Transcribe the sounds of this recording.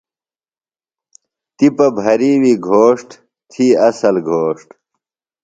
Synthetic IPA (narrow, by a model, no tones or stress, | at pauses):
t̪ipɐbʱɐɾiwiɡʱoːʂʈ | t̪ʰiːɐsɐlɡʱoːʂʈ